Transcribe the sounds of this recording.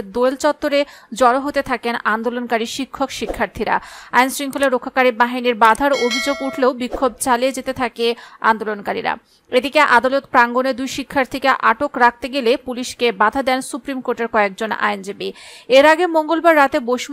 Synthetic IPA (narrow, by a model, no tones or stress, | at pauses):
d̪ojlt͡ɕɔt̪ːoɾed͡ʑɔɾoɦot̪et̪ʰakenand̪olonkaɾiʃikʰːokʃikʰːaɾt̪ʰiɾa̰ajnsɾiŋkʰoleɾːokʰːakaɾibaɦiniɾbad̪ʱaɾobʱid͡ʑoɡuʈʰleobikʰːob̚t͡ɕalied͡ʑet̪et̪ʰakea̰nd̪olonkaɾḭɾa̰ | ed̪ikeʔad̪alot̪pɾaŋɡoneɾd̪ujʃikʰːaɾt̪ʰikeʔaʈokɾak̚t̪eɡelepuliʃkebad̪ʱad̪ɛnsupɾimkoɾʈeɾkɔek̚d͡ʑona̰jnd͡ʑibieɾaɡemoŋɡolbaɾːat̪ebojʃ